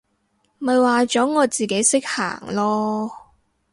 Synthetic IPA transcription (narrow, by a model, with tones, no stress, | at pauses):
mɐ˨jwaː˨t͡sɔː˨˥ŋɔː˨˧t͡siː˨˩ke˨˥jsɪ˥k̚ha̰ː˨˩ŋlɔː˥